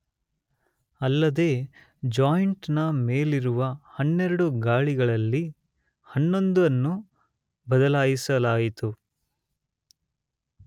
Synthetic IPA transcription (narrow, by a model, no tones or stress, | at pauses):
ɐlːɐd̪e̞ː | d͡ʒaːjɳʈnɐmeːliɾuʋɐhɐnːeɾɐɽuɡaːɭiɡɐɭɐlːi | hɐnːo̞nd̪uɐnːu | bɐd̪ɐlaːjisɐlaːjit̪u